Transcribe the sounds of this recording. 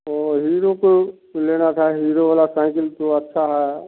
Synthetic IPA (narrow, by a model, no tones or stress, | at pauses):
oːɦiːɾõko | leːnat̪ʰaɦiːɾoʋaːlasãɪ̃kəlt̪oɐtːʃʰaɦɛ